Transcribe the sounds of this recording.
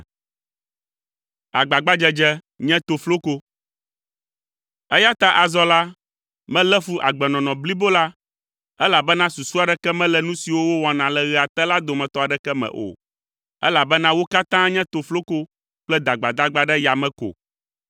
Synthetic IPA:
a˨ɡ͡ba˨ɡ͡ba˦d͡ʒɛ˦d͡ʒɛ˦ | ɲɛ̃˦t̪o˨flo˦ko˦ | ɛ˦ja˦t̪a˦ʔa˨zɔ˦la˦ | mɛ̃˦lɛ˦fu˦ʔa˨ɡ͡bɛ˨nɔ̃˨nɔ̃˨bli˦bo˦la˦ | ɛ˦la˨bɛ˦nã˦su˨su˦a˨ɖɛ˦kɛ˦mɛ̃˦lɛ˨nũ˦si˨wo˦wo˦wɔ˨nã˨lɛ˨ɣɛ˨a˨t̪ɛ˦la˦d̪o˨mɛ̃˨t̪ɔ˦a˨ɖɛ˦kɛ˦mɛ̰̃˨ʔo̰˨ | ɛ̰˦la˨bɛ˦nã˦wo˦ka˦t̪ã˦ɲɛ̃˦t̪o˨flo˦ko˦ | k͡plɛ˦d̪a˨ɡ͡ba˨d̪a˦ɡ͡ba˦ɖɛ˦ja˨mɛ̃˦ko̰˨

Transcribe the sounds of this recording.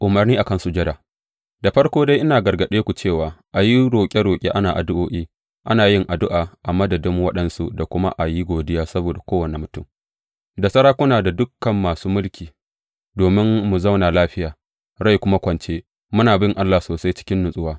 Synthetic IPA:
ʔʊ˨mɐ˨rniː˦ʔa˨kɐ˦nsu˦˨d͡ʒɐ˦daː˨ | da˨ɸɐ˦ɽkʷoː˦da˦jʔɪ˦naː˨ɡɐ˨rɡɐ˨ɗeː˦kʷu˨t͡ʃeː˦˨waː˨ʔa˨ji˦ɽoː˨kʲʼe˦ɽoː˨kʲʼḛ˦ʔa˦naː˨ʔa˨dʊ˦ʔoː˦ʔiː˦ | ʔa˦naː˨jɪ˦ŋʔa˨dʊ˦ʔaː˨ʔa˨mɐ˦dɐ˨dɪ˦ŋwɐ˦ɗɐ˦nsu˦da˨kʷʊ˦ma̰˦ʔa˨ji˦ɡʷoː˨dɪ˦jaː˦sɐ˦boː˨da˨kʷoː˦wɐ˨ne˨mʊ˨tʊ˦˨m | da˨sɐ˦ɾaː˦kʷʊ˦naː˨da˨dʊ˦kːɐ˨mːaː˨suː˦mʊ˦lkʲiː˨ | doː˨mɪ˦mːu˨zɐ˦wnaː˨laː˦ɸɪ˦jaː˨ | ɽa˦˨jkʷʊ˦ma˦kʷɐ˨nt͡ʃeː˦ | mʊ˦naː˨bɪ˦ŋʔa˦lːaː˨soː˨sa˦jt͡ʃɪ̥˦kʲɪ˦nːʊ˨sʼʊ˦waː˦

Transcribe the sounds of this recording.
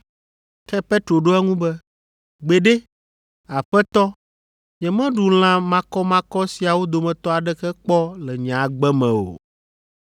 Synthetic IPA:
kɛ˦pe˦t̪ɾo˨ɖo˦ɛ˦ŋũ˦bɛ˦ | ɡ͡be˨ɖe˦ | a˨ɸɛ˦t̪ɔ˦ | ɲɛ˨mɛ̃˦ɖu˨l̃ã˦mã˦kɔ˦mã˦kɔ˦si˨a˨wo˦d̪o˨mɛ̃˨t̪ɔ˦a˨ɖɛ˦kɛ˦k͡pɔ˦lɛ˨ɲã˨ɡ͡bɛ˦mɛ̰̃˨o̰˨

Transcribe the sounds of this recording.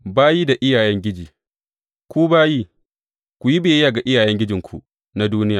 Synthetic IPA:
baː˦ji˦da˨ʔɪ˦jaː˨jɛ˦ŋɡʲɪ˦d͡ʒiː˨ | kʷuː˦baː˦jiː˦ | kʷu˨ji˦beː˨˦jaː˨ɡa˨ʔɪ˦jaː˨jɛ˦ŋɡʲɪ˦d͡ʒɪ˨ŋkʷʰṵ˨ | na˦duː˦nɪ˦jaː˨

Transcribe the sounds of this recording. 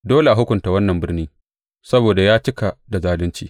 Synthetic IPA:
doː˦le˨ʔa˨ɦʊ˦kʷʊ˨nta˨wɐ˦nːɐ˨mbɪ˦rniː˦ | sɐ˦boː˨da˨jaː˦t͡ʃɪ˦ka˨da˨zaː˦lɪ˦nt͡ʃiː˦

